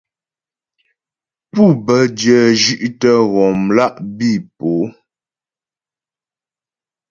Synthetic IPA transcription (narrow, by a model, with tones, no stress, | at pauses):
pu˦˨bə˨˦djə˨d͡ʒʉ˦ʔtə˦ɣɔ˨mla˦ʔbi˦˨po˨˦